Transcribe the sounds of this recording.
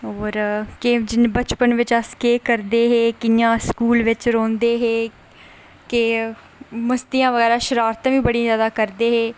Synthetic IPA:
oːɾkɪd͡ʒɪnbət͡ʃpənʋɪt͡ʃəskeːkəɾd̪eːɦeːkɪjãːskuːlʋɪt͡ʃɾõːnd̪eːɦeː | kɪ | məst̪ijãːʋəɣɛːɾaːʃəɾaːɾt̪ːʋĩːbəɽĩzjaːd̪aːkəɾd̪eːɦeː

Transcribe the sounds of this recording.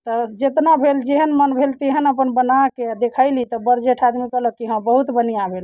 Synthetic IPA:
t̪ɔd͡ʒet̪nabʱeld͡ʒeɦənmənbʱelt̪eɦənəpənbənaked̪ekʰaɪlit̪ɔbəɾd͡ʒeʈʰad̪mikələkiɦə̃bəɦut̪bənijabʱel

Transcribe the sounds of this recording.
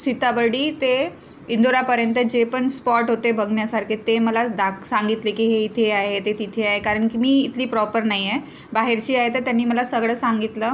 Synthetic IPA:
sit̪abəɽiːt̪e | ind̪oɾapəɾjənt̪əd͡ʑepəɳspɔʈɦot̪ebəɡɳjasaɾkʰet̪eməlad̪aksãŋɡit̪lekiːɦeit̪ʰeaɦet̪et̪it̪ʰeaɦekaɾəɳkiːmiːit̪ʰliːpɾɔpəɾnaɦije | baɦeɾt͡ɕiːaɦet̪ət̪janːiːməlasəɡɭəːsãŋɡit̪lə

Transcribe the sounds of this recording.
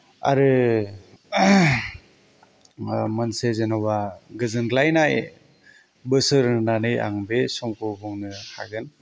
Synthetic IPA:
a̰ɾɯ | mɯnsezenɔbaɡɯzɯnɡlajnaj | bɯsɯɾɯnanɯja̰ŋbesɔŋkʰɔbɔŋnɯha̰ɡɯn

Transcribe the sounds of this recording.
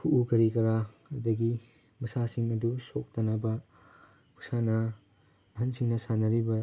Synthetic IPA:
pʰuʔukɐɾikɐɾa | ɐdɐɡi | mɐsasiŋɐdusok̚tɐnɐbɐ | kʰu̥sanɐ | ɐɦɐnsiŋnɐsanɐɾibɐ

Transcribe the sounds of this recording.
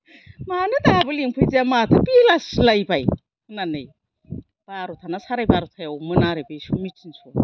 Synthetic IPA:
manɯdabɯliŋpʰɯjziamat̪ʰɯbilaslajbaj | ɯnanɯj | b̥aɾutʰanasaɾajbaɾut̪ʰajawmɯnaɾebejsumitinsu

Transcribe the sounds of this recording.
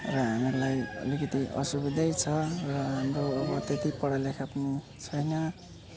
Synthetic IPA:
rʌɦameɾulajʌ̰likʌt̪iʔʌ̰subid̪ʱʌjt͡sʰʌrʌɦamɾoːbʌt̪et̪ipʌɽʌlekʰapʌni | t͡sʰʌjnʌ

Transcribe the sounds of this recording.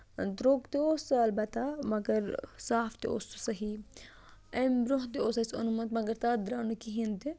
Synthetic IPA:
d̪ɾoɡt̪eoːsɐɐlbɐt̪ːamɐɡɐɾsaːft̪eo̰sosɐɦi | ɐmbɾoɦt̪eoːsɐso̰numɐt̪mɐɡɐɾt̪aːd̪ɾaːnukiɦint̪e

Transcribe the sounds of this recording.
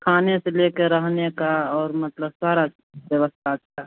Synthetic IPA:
kʰaːneseleːkeɾəɦnekaɔːɾmɐt̪ləbsaːɾa | bjəʋəst̪ʰataː

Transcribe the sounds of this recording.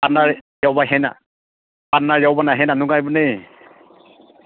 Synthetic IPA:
anaɹjawbaɦɛna̰ | panaɹjawbanaɦɛnanʊɡajbɯne

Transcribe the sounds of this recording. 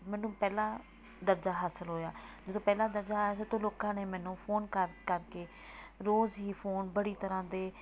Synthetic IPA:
mɛ̃ːnũːpɛːlãː | d̪əɾd͡ʒaːɦaːsəlɦoːjaːd͡ʒɪd̪õːpɛːlãːd̪əɾd͡ʒaːsət̪õːloːkãːneːmɛ̃ːnũːpʰoːnkəɾkəɾkeː | ɾoːzɦiːpʰoːnbəɽiːt̪əɾãːd̪eː

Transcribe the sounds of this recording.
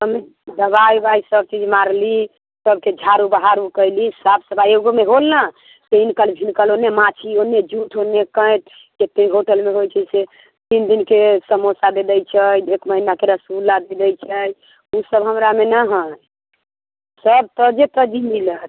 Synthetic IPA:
əme | d̪əbajbajsəb̚t͡ʃid͡ʒmaɾli | səb̚ked͡ʒʱaɾubaɦaɾukəjlisabsəbʱajeɡomeɦolna | seinkəlbʱinkəlonemat͡ʃʰionːed͡ʒuʈʰonekə̃jt̪̚ʰ | ket̪eɦoʈəlmeɦojt͡ʃʰɛse | t̪ind̪inkesəmosad̪ed̪ɛjt͡ʃʰəjekməɦinakeɾəsulːad̪ed̪ɛjt͡ʃʰəj | usəbɦəmɾamenaɦə̃ | səb̚t̪əd͡ʒet̪əd͡ʒimilət̪̚

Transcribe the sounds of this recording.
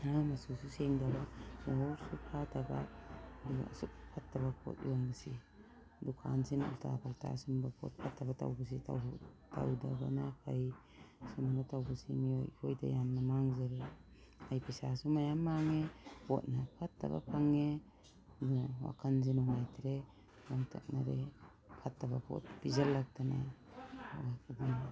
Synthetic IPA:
amasususeŋdabanaɦoɾsupʰatʰaba̰ | suk̚pʰatːaβapʰo̰t̚ijoŋbɯsi | dukʰa̰nsinṵltʰa̰pʰaltʰa̰sumbapʰo̰t̚pʰatʰːabatʰa̰wbas̬itʰa̰wta̰wdaba̰napʰaj | sumanatawbɯsimio̰jkʰojta̰jamnamaŋzaɾe | ajpʰisasumajamːaŋepʰo̰t̚napʰatːa̰ba̰pʰaŋe | dunawa̰kʰanzinuŋajtʰɾe | naŋtʰa̰k̚naɾe | pʰatːabapʰo̰t̚pizalːak̚tana | wakʰadin

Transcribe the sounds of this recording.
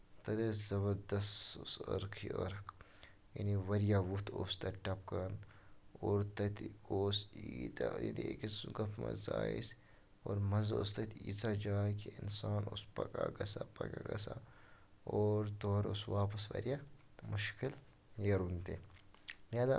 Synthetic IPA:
t̪ɐd̪ezɐβɐɾd̪ɐssɐɾkʰḭʔəɾkʰ | jɐ̰niʋɐɾjaʋut̪ʰoːst̪ɐʈɐp̚kɐnoːɾt̪ɐt̪oːsiːt̪ajɐniekisuɡɐpʰma̰zaːis | oːɾmɐzost̪ɐt̪ʰḭːt͡sad͡ʒaːkiinsaːnospɐkʼa̰ɡɐsapɐkaɡɐsa | oːɾt̪oːɾosʋaːpɐsʋɐ̰ɾja | mʊʃkil | jɐɾunt̪e | naːd̪a

